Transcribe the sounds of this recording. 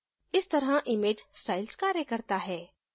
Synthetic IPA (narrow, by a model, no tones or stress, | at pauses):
ɪst̪ɐɾɦaʔɪmeːd͡ʒsʈaːɪlskaːɾjəkɐɾt̪aɦɛː